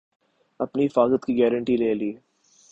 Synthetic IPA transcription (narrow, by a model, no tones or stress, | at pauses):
ɐpniɦɪfaːzət̪kiɡɛːɾəɳʈileːliː